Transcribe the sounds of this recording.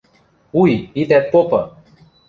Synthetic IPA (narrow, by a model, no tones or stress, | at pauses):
ujit̪ɛt̪̚popə